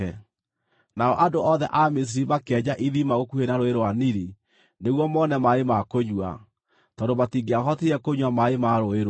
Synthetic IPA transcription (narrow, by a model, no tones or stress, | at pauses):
naɔʔadoʔɔðɛʔames̬iɾimakɛɲaʔiðimaɣokuhenaɾoeɾwaniɾi | neɣwɔmɔnɛmaemakoɲwa̰ | tɔːndomatiɡeahɔtiɾɛkoɲwamaemaɾoeɾ